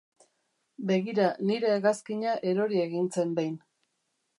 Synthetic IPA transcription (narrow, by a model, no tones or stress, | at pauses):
be̞ɣiɾaniɾeːɣaskiɲaʔe̞ɾo̞ɾie̞ɣint͡se̞mbajn